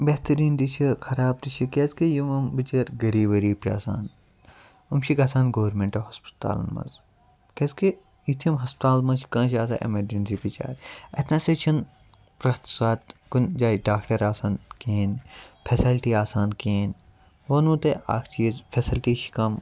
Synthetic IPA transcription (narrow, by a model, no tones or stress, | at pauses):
beːt̪ɐɾiːnd̪it͡ʃʰikʰɐɾaːb̚t̪it͡ʃʰikeːskejumɐmbɨt͡ʃɐɾɡɐɾiːʋɐɾiːpia̰ːsa̰ːn | umʃʰikaːsaːnɡoːʋɐɾmẽɳʈɐɦɐspt̪a̰ːlɐ̰nmɐ̰z | keske | jit̪ʰiɐmɦɐspt̪aːlmɐt͡ʃi̥kɐ̃ːʃʰaːsa̰ːʔḛmɐɖinsipit͡ʃa̰ːɾɐt̪ʰnɐ̃set͡ʃʰɐn | pɾɐst̪swaːt̪kund͡ʒaːɖaːkʈɐɾaːsaːnkeːnpʰesilʈiːaːsaːnkeːn | oːnũːt̪ea̰ːkʰt͡ʃiɐzpʰesilʈiːʃi̥kɐm